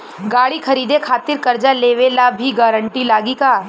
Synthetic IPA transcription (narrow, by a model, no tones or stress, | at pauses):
ɡaːɽikʰɐɾiːd̪ekʰaːt̪ɪɾkɐɾd͡ʒaleːʋelabʱiɡaːɾə̃ɳʈilaːɡikaː